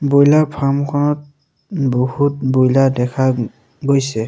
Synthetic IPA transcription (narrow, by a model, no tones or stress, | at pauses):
bojlapʰamkʰɔnɔt̚ | bɔhut̚bojladɛkʰa | ɡojsɛ